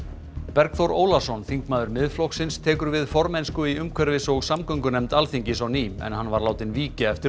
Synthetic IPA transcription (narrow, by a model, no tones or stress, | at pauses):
pɛɾkθɔɾoːwlasɔnθiŋkmaːðʏɾmɪðflɔksɪnst̪ʰɛːkʏɾvɪðfɔɾmɛjnskʏiʏmkʰvɛɾvɪsɔɣsamkœŋkʏnɛmt̪alθiɲcɪsawniːmɛ̰nɦanvaɾlaːwt̪ɪnviːcaɛft̪ɪ